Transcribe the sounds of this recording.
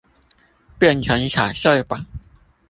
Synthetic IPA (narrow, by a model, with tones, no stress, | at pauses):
pjɛ˥˩˨nt͡ɕʰə˨˧˥ŋɕʰa̰˨˩ɕɔ˥˧˩ɪpa˨˩˦ŋ